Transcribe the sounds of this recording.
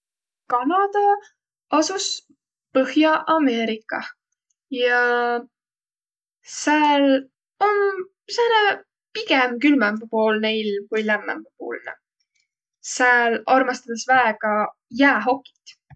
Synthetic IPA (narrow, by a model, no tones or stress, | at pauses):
kɑnɑd̪̥ɑ | ɑsus | pɤhjɑʔɑme̞ːɾikːˑɑ | jɑ | seːl | o̞n | sene | piɡemkylmɛmbupoːlneilmkujlæmːæ̰mb̥upo̰ːlnɛ̰ | seːlɑrmɑst̪ɑd̪̥esvæeɡ̥ɑ | jæːɦo̞kːi̥t̪